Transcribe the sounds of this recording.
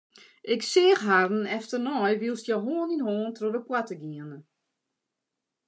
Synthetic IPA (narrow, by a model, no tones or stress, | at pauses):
ʔɪksɪəxɦarn̩ɛftərnɔjʋilˠstjɔɦoːninhoːntrodəpwatəɡiənə